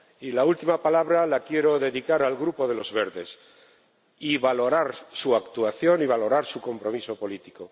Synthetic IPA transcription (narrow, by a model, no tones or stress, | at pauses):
ilault̪imapalaβɾalakje̞ɾo̞ðe̞ðikaɾalɣɾupoðe̞lo̞zβe̞ɾðe̞s | iβalo̞ɾaɾsuakt̪uaθjo̞niβ̞alo̞ɾaɾsuko̞mpɾo̞miso̞po̞lit̪iko